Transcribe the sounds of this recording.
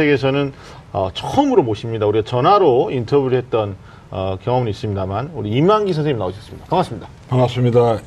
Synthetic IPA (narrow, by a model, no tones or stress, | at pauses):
eɡe̞sʰʌnɯn | ʌt͡ɕʰokʰomɯɾomoɕʰimɲidauɾiɡat͡ɕʌnɦaɾointʰʌbjuɾiɦe̞t̚t͈ʌn | ʌkjʌŋʌmɯnis͈ɯmɲidamanuɾiimanɡisʰʌnsʰeinaoɕʰʌs͈ɯmɲid̥akaŋas͈ɯmɲida | paŋas͈ɯmɲida